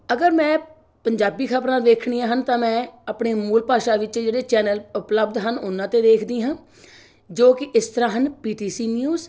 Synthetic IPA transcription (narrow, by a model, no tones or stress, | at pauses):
əɡəɾmɛ̃ː | pəɲd͡ʒaːbiːkʰaːbɾãːd̪eːkʰɳiːãːɦənt̪ãːmɛ̃ːapɳeːmuːlpaːʃaːʋɪt͡ʃd͡ʒeːɽeːt͡ʃɛːnəlʊpləbd̪ɦənʊnːãːt̪eːd̪eːkʰd̪ĩːɦãː | d͡ʒoːkɪʔɪst̪əɾãːɦənpiːʈiːsiːnjuːz